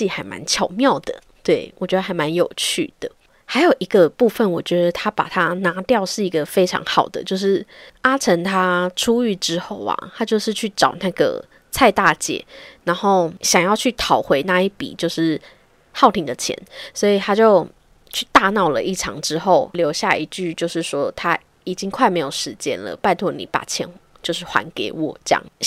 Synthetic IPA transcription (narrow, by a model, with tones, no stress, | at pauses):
i˥˧xa˧˥ɪma̰˧˦nt͡ɕʰjɑ˨˩ʊmjɑ˥˨ʊd̪ə̰˩ | t̪we˥˩ɪwʔɔ˨˩t͡ɕɥɛ˧˥d̪ə˧˩a˧ɪma˧˦njo˨˩ʊt͡ɕʰy̰˥˩d̪̥ə̰˩ | ha˧ɪjo˨˩ʊʔi˧˥ɡə˧pu˥˧fə˥˨nwɔ˨˩t͡ɕɥɛ˧˥d̪ə˨t̪ʰa˥pa̰˨˩t̪ʰa˦na˧˥t̪jɑ˥˧ʊʂɻ̩˥˩i˧˥ɡə˨fe˥ɪʈ͡ʂʰɑ̰˧˥ŋxɑ˨˩ʊd̪ə̰˦t͡ɕjo˥˧ʊʂɻ̩˥˩a˥ʈ͡ʂʰə˧˥ŋt̪ʰa˥ʈ͡ʂʰu˥y˥˧ʈ͡ʂɻ̩˥xo˥˩ʊa̰˨˩t̪ʰa˥t͡ɕjo˥˧ʊʂɻ̩˥˧t͡ɕʰy˥˩ʈ͡ʂɑ˨˩ʊna˥˧ɡə̰˩ | t͡sʰa˥˧ɪt̪a˥˧t͡ɕjɛ̰˨˩˦na˧˥nxo˥˩ʊɕjɑ˨ŋjɑ˥˩˧ʊt͡ɕʰy˥˩t̪ʰɑ˨˩ʊxwe˧˥ɪna˥˧i˥˩pḭ˨˩t͡ɕjo˥˧ʊʂɻ̩˥˩ | xɑ˥˩ʊt̪ʰi˧˨˦ŋd̪ə˨t͡ɕʰjɛ̰˧˥˦nswɔ˧˥i˨˩t̪ʰa˥t͡ɕjo˥˧ʊ | t͡ɕʰy˥˧t̪a˥˧nɑ˨˩ʊlə̰˨ʔi˥˩ʈ͡ʂʰɑ̰˧˥ŋʈ͡ʂɻ̩˦xo˥˩ʊljo˧ʊɕja˥˩i˧˥t͡ɕy˥˩t͡ɕjo˥˧ʊʂɻ̩˥˩ʂwɔ˦t̪ʰa˦ | i˨˩t͡ɕi˦ŋkʰwa˥˩ɪme˧˥ɪjo˨˩ʊʂɻ̩˧˦t͡ɕjɛ̰˦˥nlə̰˨pa˥˧ɪt̪ʰwɔ˥˩nḭ˨˩pa̰˨˩t͡ɕʰjɛ̰˧˥n | t͡ɕjo˥˧ʊʂɻ̩˥˩xwa̰˧˦nke˧˥ɪwɔ̰˨˩ʈ͡ʂjɑ̰˥˩ŋ